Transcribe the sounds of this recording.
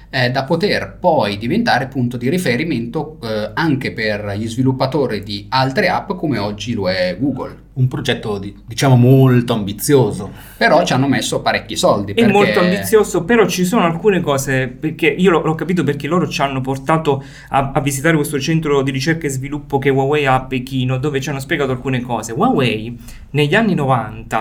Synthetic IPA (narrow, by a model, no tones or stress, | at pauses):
ɛd̪apot̪erpɔjd̪ivent̪aːɾeapːunt̪od̪iɾifeɾiment̪oaŋk̟eperʎizvilupːat̪oːɾid̪ialt̪ɾeapːkomeɔd͡ʒːiloɛɡuːɡo̰l | umpɾod͡ʒɛt̪ːod̪id̪it͡ʃaːmomolt̪oambit̪sːjoːzo | peɾɔt͡ʃianːomesːopaɾɛkʲːisɔld̪ipɛemmːolt̪oambit̪sːjoːzopeɾɔt͡ʃːis̬oːnoalkuːnekɔːseperk̟eʔiːolɔlɔkːapiːt̪̬op̬erk̟eloːɾot͡ʃanːoport̪aːt̪o | aavːisit̪aːɾekwest̪ot͡ʃɛnt̪ɾod̪iɾit͡ʃɛrkaezvilupːok̟ewawɛjapːek̟iːnod̪oːvet͡ʃianːospjeɡaːt̪oalkuːnekɔːzewawɛj | neʎːanːinovant̪a